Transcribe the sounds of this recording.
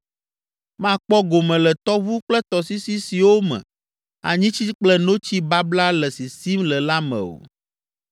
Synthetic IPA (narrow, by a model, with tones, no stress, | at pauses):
mã˦˨k͡pɔ˦ɡo˨mɛ̃˨lɛ˨t̪ɔ˦vu˦k͡plɛ˦t̪ɔ˨si˦si˦si˨wo˦mɛ̰̃˨ | a̰˨ɲĩ˦t͡ɕi˦k͡plɛ˦no˦t͡ɕi˦ba˦bla˦lɛ˨si˨si˦mlɛ˨la˦mɛ̰̃˨o̰˨